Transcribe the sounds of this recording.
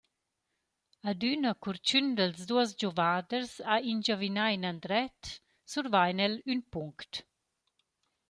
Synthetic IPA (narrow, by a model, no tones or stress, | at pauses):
ad̪ynəkuɾt͡ʃynd̪əlzd̪uəsd͡ʒɔvad̪əɾsaind͡ʒavinajnand̪ɾɛt̪ | suɾvajnɛlynpuŋkt̪